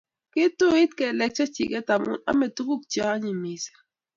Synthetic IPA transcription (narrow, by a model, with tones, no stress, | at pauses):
ki˦t̪u˦i˦t̪̚kɛ˨lɛ˨k̚t͡ʃa˦t͡ʃi˨kɛ˦t̪a˨mṵ˨na̰˦mɛ˨t̪u˦ku˦k̚t͡ʃa˦ɲi˨mi˨sɛ̥˨